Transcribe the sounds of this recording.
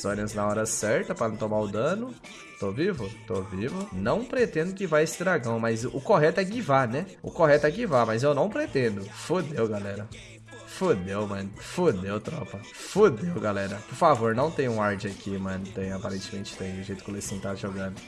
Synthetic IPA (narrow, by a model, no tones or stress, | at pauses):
sõɾɐ̃znɐɔɾɐsɛɾt̪ɐpɾɐnɐ̃t̪omaɾʊd̪ɐ̃nʊ | t̪ovivʊt̪ovivʊnɐ̃w̃pɾet̪ẽnd̪ʊɡivaɾesɪd̪ɾaɡɐ̃w̃mɐzʔʊkoɦɛt̪ʊɛɡivanɛ | ʊ̰koɦɛt̪ʊɛɡivamɐzewnɐ̃w̃pɾet̪ẽnd̪ʊfod̪ewɡalɛɾɐ | fod̪ewmɐ̃nʊfod̪ewt̪ɾɔpɐ | fod̪ewɡalɛɾɐpʊɾfavoɾnɐ̃w̃t̪ẽj̃ũaɾd͡ʒɪɐkʰimɐ̃nʊt̪ẽj̃apaɾẽnt͡ʃɪmẽnt͡ʃɪ̥t̪ẽj̃ʊʒejt̪ʊ̥kɪlesĩt̪aʒoɡɐ̃d̪ʊ